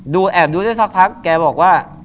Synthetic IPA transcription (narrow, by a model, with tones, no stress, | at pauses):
duː˧ʔɛː˨˩p̚d̪uː˧daː˥˩sa˦˥k̚pʰa˦˥kːɛː˧bɔː˨˩k̚waː˥˩